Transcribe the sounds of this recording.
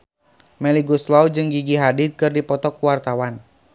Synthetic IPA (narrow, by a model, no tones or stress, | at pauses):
mɛliɡuslawd͡ʒɨŋɡiɡiɦadit̪̚kɨrdipɔt̪ɔkuwart̪awan